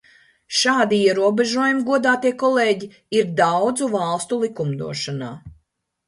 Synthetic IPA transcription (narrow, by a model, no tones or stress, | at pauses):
ʃaːd̪iiɛɾuɔbɛʒuɔjumiɡuɔd̪aːt̪iɛkɔlˠeːɟi | iɾd̪awd̪zuvɑlˠst̪ulˠikumd̪ṵɔʃana̰ː